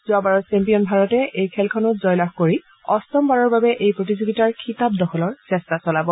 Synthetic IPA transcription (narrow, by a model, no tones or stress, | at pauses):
z̥ʊabaɹɔsɛmpiɔnbʱaɹɔtɛʔejkʰɛlkʰɔnɔtzɔjlaxkoɹi | ɔstɔmbaɹɔɹbabɛʔejpɹotizoɡitaɹkʰitap̚dɔxʰɔlɔɹsɛstasɔlabɔ